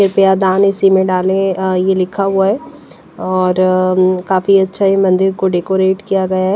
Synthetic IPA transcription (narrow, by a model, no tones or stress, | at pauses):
ɪɾpjad̪ãːnɪsimẽɖaːlẽjelɪkʰaɦuaɦɛː | ɔːɾkaːfiɐtːʃʰaɦimɐ̃nd̪ɪɾkoɖeːkoːɾeːʈkijaɡɐjaɦɛː